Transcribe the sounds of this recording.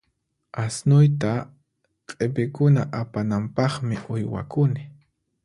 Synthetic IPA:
asnʊjt̪a | qʼɪpɪkʊnaʔapanampɑχmɪʔʊjwa̰kʊnɪ

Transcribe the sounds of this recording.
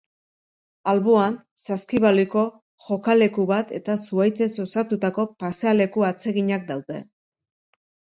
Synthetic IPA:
alβoan | saskiβaliko̞ | ʝo̞kale̞kuβat̪e̞t̪asuajt͡se̞so̞sat̪ut̪ako̞paseale̞kuat͡se̞ɣiɲak̚d̪awðe̞̰

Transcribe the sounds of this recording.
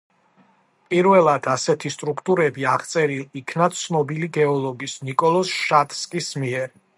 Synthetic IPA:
pʼiɾvɛlˠad̪̥asɛt̪ʰist̪ʼɾukʰt̪ʼuɾɛbiaʁt̪sʼɛɾilikʰnat̪sʰnɔbiliɡɛɔlˠɔɡisnikʼɔlˠɔsʃat̪ʰʼskʼismiɛɾ

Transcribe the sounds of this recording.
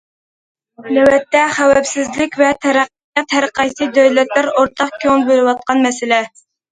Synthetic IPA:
nɛwɛt̪ːɛχæwɛpsɪzlɪkʲvɛt̪ʰæɾæqː | t̪ʰæɾəqɑjsɨd̪øjlɛt̪̚læɾoɾt̪ʰɑqkʲʰøŋnbølɨwɑt̪̚qʰɑnmɛsɪlɛ

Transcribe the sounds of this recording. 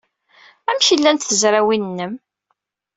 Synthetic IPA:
æmʃilːænt̪θəzɾæwinnːəm

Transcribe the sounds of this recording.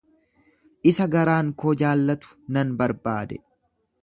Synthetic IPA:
ʔɪsɐɡɐɾaːŋkoːd͡ʒaːlːɐt̪ʊ̥nɐnbɐɾbaːd̪ɛ

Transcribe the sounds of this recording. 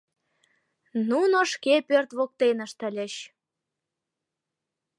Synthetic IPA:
nunoʃkepørt̪βok̚t̪enə̆ʃt̪ə̆lʲə̆ɕ

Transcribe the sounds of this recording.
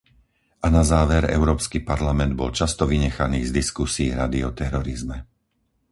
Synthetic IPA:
ʔanazaːʋɛɾɛ̰ʊɾɔːpskipaɾlamɛnd̪̚bɔ̰lt͡ʃast̪ɔʋiɲɛxaniːzd̪iskusiːɾad̪iɔt̪ɛɾɔɾizmɛ

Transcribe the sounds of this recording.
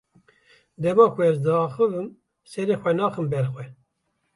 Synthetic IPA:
d̪ɛmɑːkʰuɛzd̪ɨɑːxɨvɨm | sɛɾeːxʷɛnɑːxɨmbɛɾxwɛ

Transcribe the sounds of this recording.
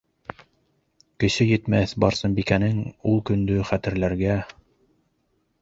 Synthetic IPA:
kɘ̆ʃɘjɘ̆t̪mæθbɑɾsɤnbikænɘŋulˠkɵ̆nd̪ɵχæt̪ɘ̆ɾlæɾɡæ

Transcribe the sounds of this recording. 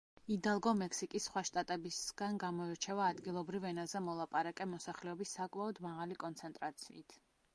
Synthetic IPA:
id̪alˠɡɔmɛkʰsikʼisːχwaʃt̪ʼat̪ʼɛbisɡ̥anɡamɔɛɾt͡ʃʰɛvaːd̪ɡilˠɔbɾivɛnazɛmɔlˠapʼaɾakʼɛmɔsaχlɛɔbisːakʼmaɔd̪maʁalikʼɔnt̪sʰɛnt̪ʼɾat̪sʰḭit̪ʰ

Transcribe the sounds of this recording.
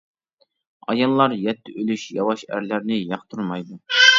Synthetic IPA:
ɑ̰jɑlˠːɑɾjɛt̪ʰːɪʔølyʃjɑwɑʃæ̰ɾlæɾnɪjɑqt̪ʰuɾmɑjd̪u

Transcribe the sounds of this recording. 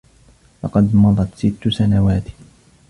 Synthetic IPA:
lɑqɑd̪mɑðˤɑt̪sɪt̪ːʊsanawaːt̪

